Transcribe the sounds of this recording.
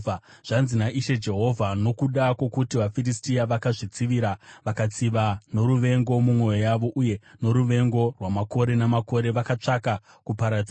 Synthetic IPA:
a | ʐ̥anzinaʔiʃe̞d͡ʒe̞ɦo̞vʱano̞kuɗakwo̞kutiʋafiristiaʋakaʐit͡siʋiɾaʋakat͡siʋano̞ɾuʋe̞ŋɡo̞mumwo̞jojaʋo̞ʔuje̞no̞ɾuʋe̞ŋɡo̞rwamako̞ɾe̞namako̞ɾe̞ʋakat͡ʂaka | kupaɾad͡zi

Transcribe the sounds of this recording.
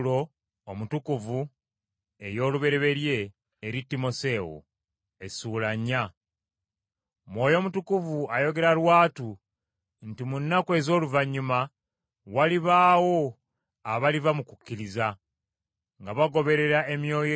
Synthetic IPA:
lo̞ | omutukuvu | e̞jo̞ːluβe̞ɾe̞βe̞ɾje̞ː | ɾitːimo̞se̞wo̰ | e̞suːlaɲːa | mwo̞ːjo̞mutukuvuajo̞ɡe̞ɾalwaːtu | ntimunːakwe̞ːzo̞ːluvaɲːuma | waliβaːwo̞ | aβalivamukukːiɾiza | ŋɡaβaɡo̞βe̞ɾe̞ɾae̞mjo̞ːjo

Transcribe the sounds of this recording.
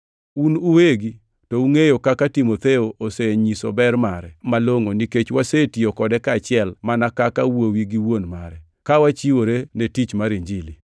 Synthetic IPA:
unuweɡi | touŋejokakatimot̪eoʔoseɲiso̰bɛrmaɾɛmaloŋoniket͡ʃwasetiokɔdɛkaːt͡ʃɪɛlmanakakawowiɡiwonmaɾɛ | kawat͡ʃiwoɾenetit͡ʃmaɾiɲd͡ʒili

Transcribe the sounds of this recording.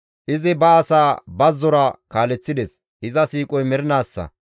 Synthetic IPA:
ʔɪzɪbɐːsaːbɐzːɔɾɐkaːlɛt͡sːɪd̪ɛs | ɪzɐsiːkʼɔjmɛɾɪnaːsːɐ̰

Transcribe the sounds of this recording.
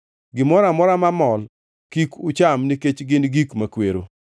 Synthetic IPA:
ɡɪmɔɾamɔɾamamɔl | kikʊt͡ʃamniket͡ʃɡɪnɡikmakweɾo̰

